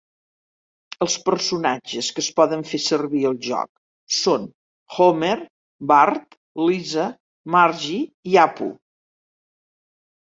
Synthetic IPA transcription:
əlˠspəɾsunad͡ʒəskəspɔðəɱfesərβiəlˠʒɔ̰k̚ | son | xomer | bart̪ | lizə | marʒiiapṵ

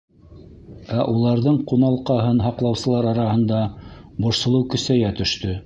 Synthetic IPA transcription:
æʔulˠɑɾðɤɴqunɑlˠqɑɦɤnɦɑqlˠɑwsɤ̆lˠɑɾɑɾɑhɤ̆nd̪ɑ | bŏʃsɤ̆lˠɤwkɵ̆sæjæt̪ɵ̆ʃt̪ɵ

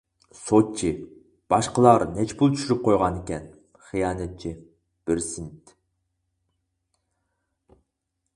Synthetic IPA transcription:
sot̪̚t͡ʃʰi | b̥ɑʃqəlˠɑɾnɛt͡ʃʰpulˠt͡ʃʰy̥ʃyɾyp̚qʰojʁɑnɪkʲɛn | χijɑːnɛt̪̚t͡ʃʰi | b̥ɪɾsint̪

